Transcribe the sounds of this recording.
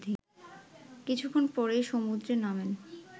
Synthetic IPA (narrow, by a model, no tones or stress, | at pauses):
d̪ʱi | kit͡ɕʰukʰːonpɔɾejʃomud̪ɾenamen